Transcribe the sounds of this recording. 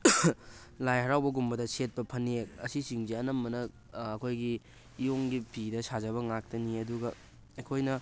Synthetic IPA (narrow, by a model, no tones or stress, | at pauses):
lajɦɐɾawbɐɡumbɐdɐset̚pɐpʰɐneɐsisiŋziɐnɐmːɐnɐː | kʰojɡiː | joŋɡipʰidɐsazɐβɐŋak̚tɐniɐduɡɐ | ɐkʰojnɐ